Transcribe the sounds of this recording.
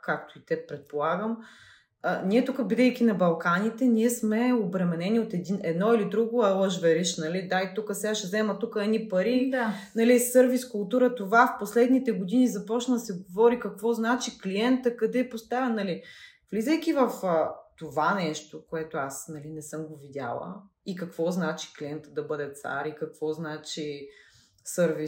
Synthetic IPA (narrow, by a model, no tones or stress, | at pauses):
kakt̪oit̪ɛpɾɛt̪̚polˠaɡəm | niɛt̪ukəbid̪ɛjk̟ʲinɐbɐlˠkanit̪ɛniɛsmɛobɾɛmɛnɛnʲiot̪ɛd̪inɛd̪nɔilid̪ɾuɡoɐlˠəʒvɛɾiʃnɐlid̪ait̪ukəsɛaʃɛzɛmət̪ukəɛnipɐɾid̪anɐlisɤɾviskʊlˠt̪uɾət̪ovafposlɛd̪nit̪ɛɡod̪inizɐpɔt͡ʃnəsɛɡovɔɾikɐkvɔznat͡ʃikliɛnt̪əkɐd̪ɛpost̪avʲɐnɐli | vlizɛjk̟ʲivɐft̪ovanɛʃt̪okoɛt̪oasnɐlinɛsɤmɡovid̪ʲa̰lˠə̰ikɐkvɔznat͡ʃi̥kliɛnt̪əd̪ɐbɤd̪ɛt̪sa̰ɾikɐkvɔznat͡ʃi | sɤɾvi